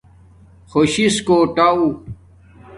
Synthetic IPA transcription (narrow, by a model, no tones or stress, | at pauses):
xoɕiskoːʈau